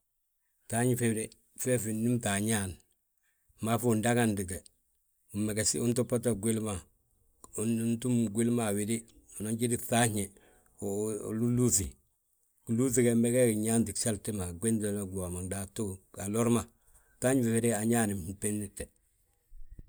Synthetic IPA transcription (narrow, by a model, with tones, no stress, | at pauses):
ta˦ɲifewɾe | fe˦finːi˦mta˨ɲan | ma˦fu˦˨ndaɡandi˨ɡe˨ | u˨me˨ɡe˨sḭu˦ntu˦pa˦t̬a˦ɡwi˦lma˨ | nntu˦mɡwi˦lma˨wi˨di˦ | u˨no˦nɟi˦diθa˦ɲe˨ | lulu˦si | ku˨lu˦θ̬i˦keme˦ɡe˦kɲaː˦ndi˨ksa˦lti˦ma˨ɡwe˦nde˨loɡa˨ma˨ŋda˨tu˦a˨lo˦ɾma | ta˦ɲfewidea˨ɲani˨mpenːi˦tːe˨